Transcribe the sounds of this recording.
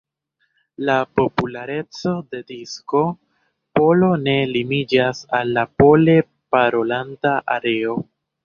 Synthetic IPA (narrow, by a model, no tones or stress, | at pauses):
lapo̞pulaɾe̞t͡so̞de̞disko̞ | po̞lo̞ne̞limid͡ʒasalːapo̞le̞ | paɾo̞landaʔa̰ɾe̞o̞